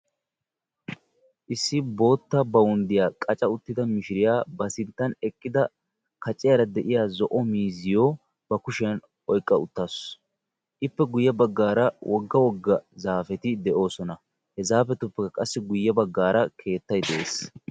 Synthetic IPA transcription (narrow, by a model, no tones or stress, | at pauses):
ʔɪsːɪbo̞ːt̪ːɐbɐwʊnd̪ɪjaːkʼɐt͡ʃʼɐʊt̪ːɪd̪ɐmɪʃɪɾɪjaːbɐsɪnt̪ːɐnɛkʼːɪd̪ɐ | kɐt͡ʃʼːɪjɐɾɐd̪ɛʔɪjaːzɔʔɔmiːzɪjoː | b̥ɐkʊʃɛjɐn | ʔɔjkʼːɐʊt̪ːas | ʔɪpːɛɡʊjːɐbɐɡːaːɾɐwʔɔɡːɐwɔɡːɐzaːfɛt̪ɪd̪ɛʔo̞ːsɔnɐ | hɛzaːfɛt̪ʊpːɛkɐkʼɐsːɪɡʊjːɐbɐɡːaːɾɐkʰe̞ːt̪ːɐjd̪ɛʔeːs